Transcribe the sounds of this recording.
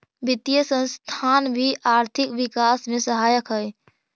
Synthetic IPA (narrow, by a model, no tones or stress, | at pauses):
bɪt̪ijəsə̃nst̪ʰanbʱiʔaːɾt̪ʰɪkʋikaːsmẽsəɦaːjəkɦəj